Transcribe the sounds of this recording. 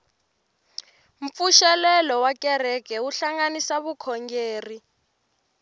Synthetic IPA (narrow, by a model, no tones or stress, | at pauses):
m̩fuʃɛlɛlɔwakɛrɛkɛuɬaŋɡanisaβukʰɔŋɡeːri